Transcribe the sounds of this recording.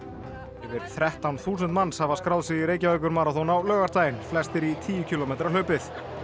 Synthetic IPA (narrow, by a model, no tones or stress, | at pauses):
ɛvɪɾ̥θɾɛht̪awnθuːsʏnt̪manːshavaskɾawðsiiɾeːjcavœjkʏɾmaːɾaθonawlœːɣaɾ̥t̪aːjɪnflɛst̪ɪɾit̪ʰiːjʏcʰiːlomeːjt̪ɾaløːpɪθ